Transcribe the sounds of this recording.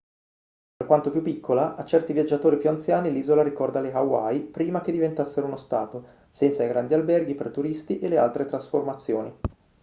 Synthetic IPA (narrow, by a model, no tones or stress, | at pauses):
perkwant̪opjupːikʰːolaʔat͡ʃːɛrt̪ivjad͡ʒːat̪oːɾipjuant̪sjaːniliːzolaɾikɔrd̪aleɦawa̰jpɾiːmak̟ed̪ːivent̪asːeɾounost̪a̰ːt̪o | sɛnt̪saijɡɾand̪ialbɛrɡipert̪uɾist̪iʔelea̰lt̪ɾet̪ɾasformat̪sːjoːni